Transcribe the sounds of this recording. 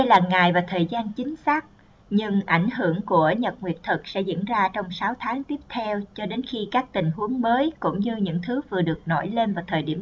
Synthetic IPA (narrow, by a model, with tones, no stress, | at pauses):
ə˧jlaː˨˩ŋaː˨˩jvaː˨˩t̪ʰəː˨˩jzaː˧nt͡ɕï˨˦ŋ̟saː˦˥k̚ | ɲɨ˧ŋʔa˧˩jŋ̟hɨ˧˩əŋku˧˩əɲə˨˩t̚ŋwi˨˩ət̚t̪ʰɨ˨˩k̚sɛ̰˧˥zḭ˧˥ənzaː˧t͡ɕɔ˧wŋ͡msaː˨˦wt̪ʰaː˨˦ŋt̪i˦˥əp̚t̪ʰɛ˧wt͡ɕɔ˧ɗe˨˦nxi˧kaː˦˥k̚t̪ï˨˩ŋ̟hu˨˦əŋməː˨˦jkʊ̰˧˥ŋ͡mɲɨ˧ɲɨ̰˧˥ŋt̪ʰɨ˨˦vɨ˨˩əɗɨ˨˩ək̚nɔ̰˧˩jle˧nvaː˨˩wt̪ʰəː˨˩jɗi˧˩əm